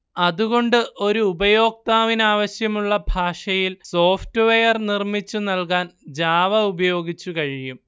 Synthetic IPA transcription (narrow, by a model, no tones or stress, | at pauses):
ɐðuɣo̞ɳɖɨʔo̞ɾuːbɐjo̞ːk̚t̪aːʋinaːʋɐɕjɐmuɭːɐbʱaːʂɐjilso̞ːftɨʋejɐrnirmit͡ɕːunɐlkaːnd͡ʑaːʋɐubɐjo̞ːɡit͡ɕːukɐɻijum